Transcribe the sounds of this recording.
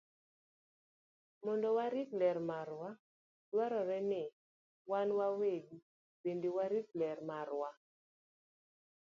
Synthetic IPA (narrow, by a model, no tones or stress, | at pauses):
mɔndɔwaɾiklɛrmaɾwa | d̥waɾɔɾɛnɪ | wanwaweɡu | pendewaɾik̚lɛɾmaɾwa